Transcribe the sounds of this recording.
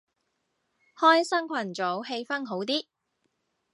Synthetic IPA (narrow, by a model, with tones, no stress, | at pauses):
hɔː˥jsɐ˥ŋkʷʰɐ˨˩nt͡so˨˥whe˧jfɐ˥nɦo˨˥wt̪̬iː˥